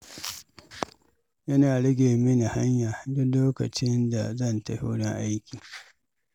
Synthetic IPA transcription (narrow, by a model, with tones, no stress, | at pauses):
jɐ˦naː˨ɽɪ˦ɡʲeː˨mɪ˦na˨ha˦ɲjaː˨dʊ˦loː˦kɐ̰˨t͡ʃɪ˦nda̰˨zɐ˦˨ntɐ˨ho̰ː˦ɽɪ˦ŋʔa˦jkʲiː˨